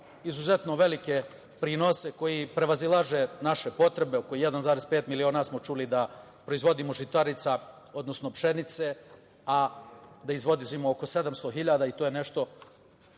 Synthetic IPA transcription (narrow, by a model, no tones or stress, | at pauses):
izuze̞t̪no̞ʋe̞like̞ | pɾinose̞ko̞jipɾe̞ʋazilˠaʒe̞naʃe̞po̞t̪ɾe̞beokojijed̪anzaːɾespe̞ːt̪milio̞ːnasmot͡ʃulid̪a | pɾo̞izʋo̞d̪imo̞ʒit̪aɾit̪sa | o̞d̪nosno̞pʃe̞nit̪se̞ | ad̪aizʋo̞d̪izimooko̞se̞d̪amst̪oɦiʎaːd̪ait̪oːjene̞ʃt̪o̞